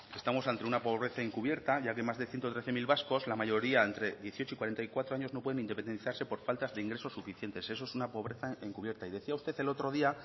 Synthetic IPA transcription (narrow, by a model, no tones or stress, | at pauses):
e̞st̪amo̞sant̪e̞unapo̞β̞ɾe̞θaeŋkuβje̞ɾt̪aʝake̞mazðe̞θje̞nt̪o̞t̪ɾe̞θe̞milβasko̞slamaʝo̞ɾiaent̪ɾe̞ðje̞θjo̞t͡ʃoikwaɾe̞nt̪aikwat̪ɾo̞aɲo̞zno̞pweenind̪epe̞nd̪e̞nθaɾse̞po̞ɾfalt̪azðeiŋɡɾe̞so̞sufiθje̞nt̪e̞se̞so̞esunapo̞β̞ɾe̞θaeŋkuβje̞ɾt̪aiðe̞θiaust̪e̞θe̞lo̞t̪ɾo̞ðia